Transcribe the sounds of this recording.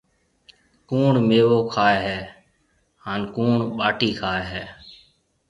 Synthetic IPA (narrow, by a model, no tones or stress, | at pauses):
kuːɳmeːʋoːkʰaːeɦɛː | haːnkuːɳɓaːʈiːkʰaːeːɦɛː